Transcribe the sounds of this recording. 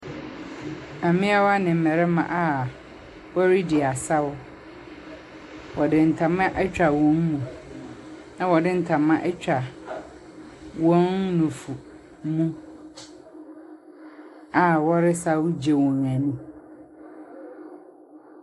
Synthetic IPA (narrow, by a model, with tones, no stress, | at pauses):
a˨mɪ̃˦a˦wa˦nɪ̃˨m̩˨mɛ˨ɾɛ˦mã̰˨ʔa˨ | wɔ˦ɾɪ˦dɪ˨a˨sa˦wʊ˦ | wʔɔ˨dɪ˨n̩˨tʰã˨mã˦ʔɛ˦t͡ɕᶣa˨wɔ̃˨˦ŋmũ˨ | nã˨wɔ˨dɪ̃˦n̩˨tʰã˨mã˦ʔɛ˦t͡ɕᶣa˨ | wɔ̃˦nːʊ̃˨fu˨ | mũ˦ | a˨wɔ˦ɾɪ˦sa˦wʊ˦d͡ʑe˨wɔ̃˨ŋã˨nũ˦